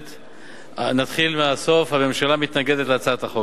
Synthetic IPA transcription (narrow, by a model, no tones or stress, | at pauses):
t̪ | nat̪χilmeaso̞fhame̞mʃalamit̪naɡed̪et̪leat͡sat̪aχo